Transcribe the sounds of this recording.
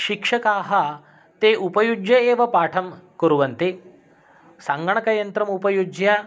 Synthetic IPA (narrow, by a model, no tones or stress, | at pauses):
ɕikʂɐkaːɦa | t̪eʔupɐjud͡ʒjɐeʋɐpaːʈʰɐmkəɾuʋɐnt̪e | sãŋɡɐɳ̃ɐkɐjɐnt̪ɾɐmupɐjud͡ʒja